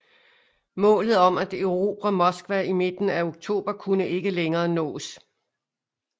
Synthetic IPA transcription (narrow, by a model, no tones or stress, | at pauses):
mɔ̰̽ːlð̩ˠɒ̽mæd̥øʊʁo̝̰b̥ʁæmɒ̽sɡ̥ʋæime̝d̥n̩æo̝ɡ̥̚t͡sʰo̝̰ːb̥ɐkʰunəʔe̝ɡ̥əleŋɐːnɔ̰̽ːs